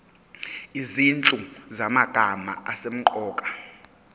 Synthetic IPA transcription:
izint͡ɬʼuzamaɡ̥ʱama̰asem̩ǃɔːkʼḁ

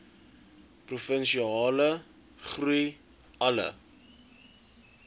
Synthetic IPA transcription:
prufənʃiɑːlə | χruj | ɐlə̰

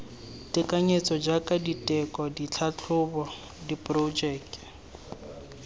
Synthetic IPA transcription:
tʼɪkʼaɲet͡sʼɔd͡ʒakʼaditʼɛkʼɔdit͡ɬʰat͡ɬʰʊbɔ | dipʼrod͡ʒɛːkk

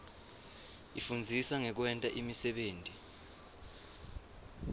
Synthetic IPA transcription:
ifund͡zʱisaŋɛk̬wɛntʼaʔimisɛɓeːntʼi

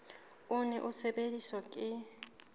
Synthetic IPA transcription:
ʊnɛ̰ʔusɛɓelisɔkʼɪ

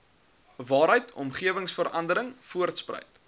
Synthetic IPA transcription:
vɑːɾəjtʰɔ̰mχiəvəŋsfəɾɐndəɾəŋfuərtsprə̰jt

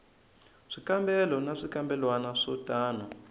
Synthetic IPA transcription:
ʂikambɛlɔnaʂikambɛlwanaʂɔtʼaːnɔ

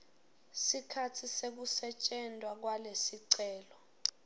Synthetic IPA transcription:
sikʰatʰisek̬usɛt͡ʃʼɛndʱwak̬walesiǀɛːlɔ

